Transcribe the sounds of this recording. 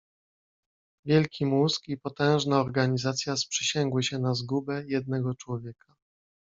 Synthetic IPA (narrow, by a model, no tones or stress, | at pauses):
vʲjɛlkʲimuskipɔt̪ɛ̃w̃ʐnaɔɾɡaɲizat̪sʲjaspʂɛɕɛŋɡwɘɕɛnazɡubɛjɛd̪̚nɛɡɔt͡ʂwɔvʲjɛkʰa